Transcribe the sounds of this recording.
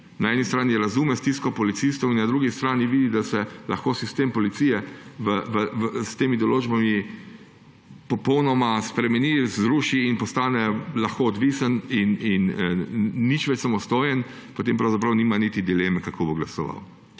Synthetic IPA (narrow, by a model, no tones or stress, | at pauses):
naɛːnist̪ɾaːniɾazuːmɛst̪iskɔpɔlit̪sist̪ɔwinːad̪ɾuːɡist̪ɾaːniʋiːd̪id̪asɛlʔa̰xkosist̪eːmpɔlit̪siːjɛʋəʋəʋst̪eːmid̪ɔloːd͡ʒbami | pɔpɔwnɔmaspɾɛmɛnizɾuːʃiːnpɔst̪aːnɛlaxkoɔd̪ʋisənininː | it͡ʃʋɛt͡ʃsamɔst̪oːjɛn | pɔt̪eːmpɾawzapɾɐwniːmanit̪id̪ileːmɛkakʰoboɡla̰sɔʋa̰w